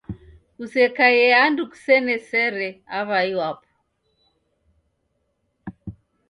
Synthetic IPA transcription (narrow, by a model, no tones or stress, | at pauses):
usɛkajɛanduku̥sɛnɛsɛɾɛaβaiwapɔ̥